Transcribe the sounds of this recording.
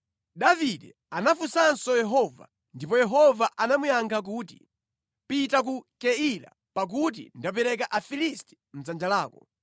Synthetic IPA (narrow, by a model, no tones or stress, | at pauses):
ɗaviɗɛ | anafusansɔjɛɦɔva̰ | ndipɔjɛɦɔvaʔanamujaŋɡak̬uti̥̰ | pitak̬ukɛila̰ | pak̬ut̬ḭndap̬ɛɾɛk̬aʔafilistɛ̥ | m̩zand͡ʒalaːkɔ